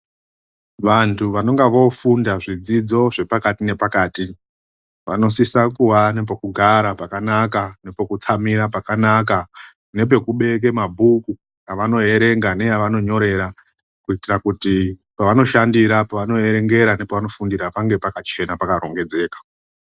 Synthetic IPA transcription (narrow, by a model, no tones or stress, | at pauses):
ʋantʰuʋano̞ŋɡaʋo̞fundaʐid͡zid͡zo̞ʐe̞pakatine̞pakaːti | ʋa̰no̞sisakuwane̞p̬okuɡʱaɾapakanakane̞pokut͡samiɾapakanaka | ne̞p̬e̞kuɓe̞k̬e̞mabʱuku | jaʋano̞e̞ɾe̞ŋɡane̞jaʋano̞ɲo̞ɾe̞ɾa | kuitirakutipaʋano̞ʃandiɾapaʋano̞e̞ɾe̞ŋɡe̞ɾanepaʋano̞fundiɾapaŋɡe̞pakat͡ʃe̞napakaɾo̞ŋɡe̞d͡ze̞ːkḁ